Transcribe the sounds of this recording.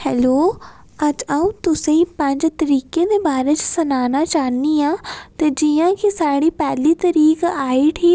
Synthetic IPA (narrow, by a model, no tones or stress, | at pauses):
hɛːloː | əd͡ʒaːũːt̪ʊsẽĩːpə̃ɲd͡ʒt̪əɾiːkeːd̪eːbaːɾeːt͡ʃsənaːnaːt͡ʃaːniːaːt̪eːd͡ʒijãːkisaːɽiːpɛːliːt̪əɾiːkaːiːʈʰiː